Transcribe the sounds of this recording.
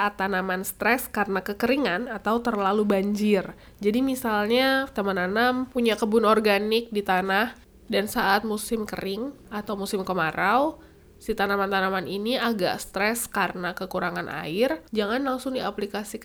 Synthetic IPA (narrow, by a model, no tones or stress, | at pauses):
ʔat̪ːanamanst̪ɾɛskarənakəkəɾiŋanat̪awt̪ərlalubaɲd͡ʒɪr | d͡ʒadimisalɲat̪amananampuɲakəbʊnɔrɡanɪk̚dit̪anah | dansaʔat̪̚musɪmkə̰ɾɪŋ | at̪awmusɪmkəmaɾaw | sit̪anamant̪anamaniniaɡa̰ʔst̪ɾɛskarənakəkuɾaŋanʔa̰ɪrd͡ʒaŋanlaŋsʊŋdiaplikasik